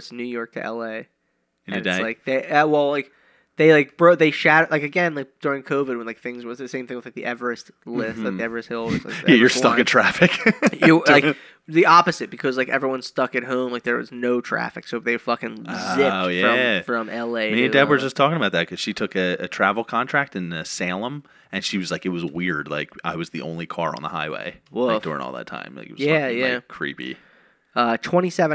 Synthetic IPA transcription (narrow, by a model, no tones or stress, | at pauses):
snʉjɔɹk̚tʰɨ̰ʔɛ̰lˠeɪ̃ | ɨnlaɪk̚ðeɪʌwɛlˠlaɪk̚ | ðeɪlaɪk̚b̥ɹoʊt̪̚ðeɪʃæɾəlaɪkɨɡɛ̃nlaɪk̚d̥ʊɹɪ̃ŋkʰoʊvɨd̚wə̃nlaɪk̚θɪ̃ŋzwʌzðɨsẽɪ̃mθɪ̃ŋɨz̥ðlaɪk̚ðḭʔɛvə˞ɨst | lɪstlaɪk̚ðiɛvə˞ɨst̚hɪlˠɨzlaɪjæjə˞stʌkɨ̃n̩tʰɹ̥æfɨkjɨlaɪ | ðiɑpɨzɨt̚b̥ɨkʰʌzlaɪkɛ̰vɹiwʌ̃nstʌkɨt̚ɦõʊ̃mlaɪk̚ðə˞wʌ̰znoʊtʰɹ̥æ̰fɨksoʊðeɪ̥fʌkɨ̃ŋzɪjɹʌ̃mfɹʌ̃mɛlˠeɪmidɛdwə˞d͡ʒʌstʰɔkɪ̃ŋəbaʊt̪̚ðɨt̚kʰʌz̥ʃitʰʊkɨɨ̰tʰɹ̥ævl̩ˠkʰɑ̃ntʰɹ̥æk̚tɨ̃nʌsælˠə̃m | ɨ̃nʃiwʌzlaɪkɨt̚wʌzwɪɹdla̰ɪka̰ɪwʌzðiõ̰ʊ̃nlikʰɑɹə̰̃nðəhaɪwḛɪwɪd̥ʊ̰ɹɪ̰̃ŋɔ̰lˠðə̰tʰã̰ɪ̃mlaɪkɪɨtwʌzjæjækʰɹ̥ḭpḭ | ʌtʰw̥ɛ̃ɾ̃isɛvɨ̃